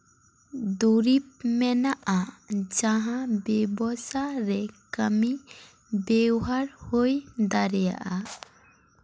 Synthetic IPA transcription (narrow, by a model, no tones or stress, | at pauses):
d̪uɾip̚mɛnaʔad͡ʒaɦãbɛbɔsaɾɛkəmi | bɛwɦaɾhojd̪aɾɛja̰ʔa